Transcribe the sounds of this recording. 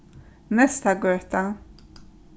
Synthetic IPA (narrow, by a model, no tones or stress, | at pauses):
nɛst̪aɡœːt̪a